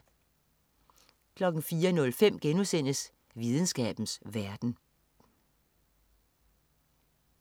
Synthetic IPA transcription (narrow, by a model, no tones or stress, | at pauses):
kʰlɒ̽ɡ̥n̩fiːɐnɔ̽lfem̰ɡ̥enusen̰əs | ʋið̞ˠn̩sɡ̥ɛ̰ːb̥n̩sʋæɐd̥n̩